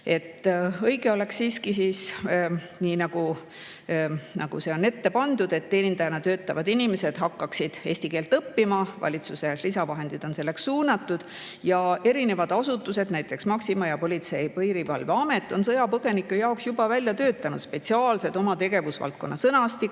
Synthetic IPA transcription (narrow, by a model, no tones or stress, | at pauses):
e̞t̪ːɤjɡe̞o̞le̞ksiːskisiːs | niːnɑɡ̥u | nɑ̰ɡ̥ṵse̞o̞ne̞t̪ːe̞pɑnd̪̥ud̪̥e̞t̪ːe̞ːnind̪ɑjɑnɑt̪ø̞ːt̪ːˑɑvɑd̪̥inime̞se̞d̪̥ɦɑkːɑksid̪̥e̞ːsʲt̪ike̞ːlt̪ɤpːimɑvɑ̰lʲit̪suse̞risɑvɑɦe̞nd̪̥id̪̥o̞nse̞lːe̞ksːuːnɑt̪ːˑud̪̥ | jɑe̞ɾine̞vɑd̪̥ɑsut̪ːˑuse̞d̪̥næjt̪ːˑe̞ksmɑksimɑjɑpo̞lit̪se̞jpɤjɾivɑlveɑmet̪ːˑo̞nsɤ̞jɑpɤɡ̥e̞nikːˑujɑoksjubɑvælʲjɑt̪øːt̪ːˑɑnṵd̪spe̞t̪siɑːlse̞d̪̥omɑt̪e̞ɡ̥e̞vusvɑ̰lt̪̚ko̞nːɑsɤnɑst̪i